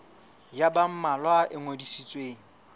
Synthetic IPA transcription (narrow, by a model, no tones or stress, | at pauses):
jabam̩malwaʔɪŋodisit͡sʼweːŋ̩